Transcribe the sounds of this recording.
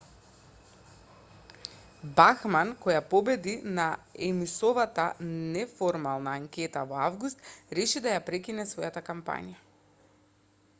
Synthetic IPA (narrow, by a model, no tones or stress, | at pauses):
baxmankɔjapɔbɛd̪inaɛmisɔvat̪anɛfɔɾmalˠnaːŋkʲɛt̪avɔavɡust̪ɾɛʃid̪ajapɾɛkinɛsvɔjat̪akampa̰ɲija